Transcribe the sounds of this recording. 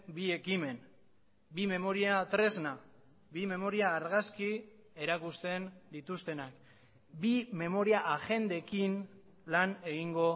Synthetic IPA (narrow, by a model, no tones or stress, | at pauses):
bie̞kime̞n | bime̞mo̞ɾiat̪ɾe̞zna | bime̞mo̞ɾiaːɾɣaski | e̞ɾakust̪e̞nd̪it̪ust̪e̞nak | bime̞mo̞ɾiaʔaʝe̞nd̪ekin | lane̞ɣiŋɡo̞